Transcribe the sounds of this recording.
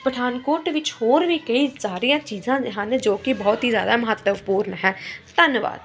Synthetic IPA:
pəʈʰaːnkoːɾʈʋɪt͡ʃhoːɾʋiːkəiːsaːɾijãːt͡ʃiːzãːɦənd͡ʒoːkɪbɔːt̪ɦiːzja̰ːd̪aːməɦət̪ːəʋpuːɾnɦɛːt̪ənʋa̰ːd̪

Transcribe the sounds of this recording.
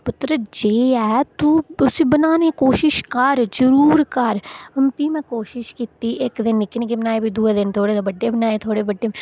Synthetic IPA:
pʊt̪ɾəd͡ʒeːɛːt̪uʊsebənaːnekoːʃɪʃkɐɾd͡ʒəɾuːɾkɐɾɐmpimɛ̃koːʃɪʃkiːt̪iʔekd̪ɪnːɪknek̬ebənaːebʱid̪ʱuːed̪ɪnt̪ʰoːɽesbəɖːebənaːet̪ʰoːɽebəɖːe

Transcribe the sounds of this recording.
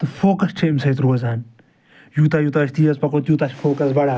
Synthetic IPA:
t̪ɨfoːkɐst͡ʃʰeimsɐjt̪ɾuɐzaːn | juːt̪aːjuːt̪aʃʰt̪ijɐzpɐkoːt̪juːt̪aːt͡ʃfoːkɐsbɐɽaː

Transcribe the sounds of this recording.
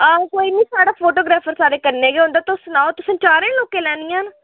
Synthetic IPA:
akoːiːniːsaːɽaːpʰoːʈoːɡɾaːpʰəɾsaːɾeːkəɾneːɡeːõʊ̃nd̪aːt̪ʊsnaːot̪ʊsə̃t͡ʃaːɾẽːloːkeːlɛːnɪjãːn

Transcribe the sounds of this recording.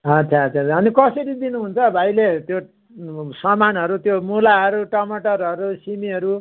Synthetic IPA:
ɦʌt͡sʰaʌt͡sʰaɦʌnikʌsʌɾid̪inuɦunt͡sʰʌbʱajlet̪jo | sʌmanɦʌɾut̪jomulaɦʌɾuʈʌmʌʈʌrɦʌɾusimiʌɾu

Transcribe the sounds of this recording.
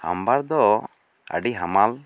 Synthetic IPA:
ha̰mbaɾd̪ɔ | ə̰ɖiɦamal

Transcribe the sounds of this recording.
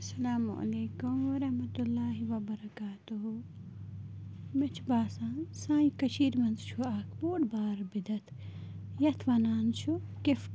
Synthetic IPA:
ɐsɐlaːmṵʔɐ̰leːkumʋɐɾɐhmɐt̪ulːaːɦiʋɐbɐɾɐkaːt̪uɦu | mɪt͡ʃʰbaːsãːnsãːjikɐʃiːɾmɐnzt͡ʃʰuaːkʰboːɽbaːɾbid̪ɐt̪ʰ | jɐt̪ʰʋɐnaːnt͡ʃʰukɪf

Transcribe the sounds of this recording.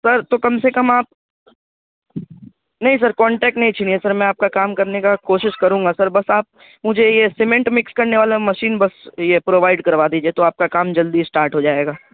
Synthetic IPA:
sɐɾt̪okɐmsekɐmaːp̚ | nɐɦĩs̬ɐɾkɔ̃ːɳʈɛːk̚ʈnɐɦĩt͡ʃʰɪniɦɛsɐɾmɛ̃aːp̚kakaːmkɐɾnekakoːʃɪʃkɐɾũːŋɡasɐɾbɐsaːp̚ | mʊd͡ʒʱejesɪmẽɳʈmɪkskɐɾneʋaːlamɐʃiːnbɐsjepɾoːʋaːɪɖkɐɾʋaːd̪iːd͡ʒiet̪oaːp̚kakaːmd͡ʒɐld̪isʈaːɾʈɦod͡ʒaːeːɡaː

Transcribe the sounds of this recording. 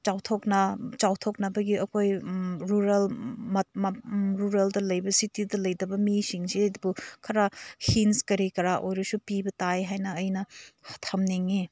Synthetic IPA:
t͡ʃawtʰoknɐt͡ʃawtʰok̚nɐbɐɡiɐkʰojɾuɾelmɐmɾuɾeldɐlɐjbɐsitidɐlɐjdɐbɐmisiŋseɐdubukʰɐɾahinskɐɾikɐɾaʔojɾɐsupibɐtajɦajnɐːjnɐhɐtʰɐmniŋi

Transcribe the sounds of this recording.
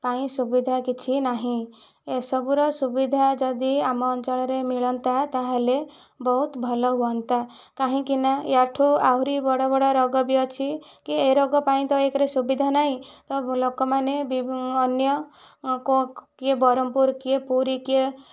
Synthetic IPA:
paĩsubid̪ʱakit͡ʃʰinaɦĩ | esɔbuɾɔsubid̪ʱad͡ʒɔd̪iamɔːnt͡ʃɔɭɔɾemiɭɔnt̪at̪aɦele | bɔɦut̪bʱɔlɔɦuɔnt̪a | kaɦĩkinajaʈʰuawɾibɔɽɔbɔɽɔɾɔɡɔbiɔt͡ʃʰikieɾɔɡɔpaĩt̪ɔekɾesubid̪ʱanaɦĩt̪ɔlokɔmanebiːnjɔ | kokiebɔɾɔmpuɾkiepuɾikie

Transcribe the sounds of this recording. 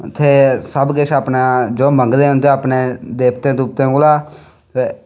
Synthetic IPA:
t̪ʰeːsəbɡɪt͡ʃʰaːpnaːd͡ʒoːməŋɡd̪eːʊ̃nd̪eːaːpneːd̪eːp̚t̪ẽːd̪uːp̚t̪ẽːkʊlaː | e

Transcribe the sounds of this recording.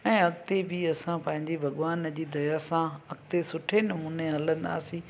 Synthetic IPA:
ɛ̃ːɐɡt̪ebiɐsãpɐ̃ɦɪ̃ɲd͡ʑibʱɐɠʋaːnəd͡ʑiːd̪ɐjasãɐɡt̪esʊʈʰenɐmuːneɐlə̃nd̪a̰ːsĩ

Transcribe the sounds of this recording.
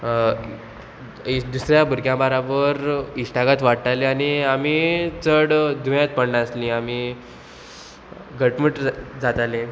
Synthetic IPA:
d̪usɾjabuɾkjãbəɾabəɾisʈaɡat̪ʋaʈʈaleañiamiːt͡səɽd̪ʱujãt̪̚pəɳnaəslĩami | ɡʱəʈməʈd͡zat̪ale

